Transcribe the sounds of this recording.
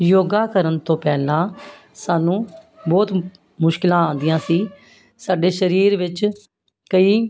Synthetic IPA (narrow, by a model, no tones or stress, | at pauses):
joːɡaːkəɾənt̪õːpɛːlãː | saːnũː | bɔːt̪ | mʊʃkɪlãːãːnd̪ɪjãːsiː | saːɖeːʃəɾiːɾʋɪt͡ʃ | kəiː